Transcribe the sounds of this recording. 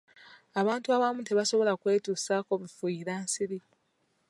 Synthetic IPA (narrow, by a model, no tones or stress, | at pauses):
aβaːntuaβamuteβaso̞βo̞lakwe̞ːtuːsaːko̞βifuiɾaːnsiɾi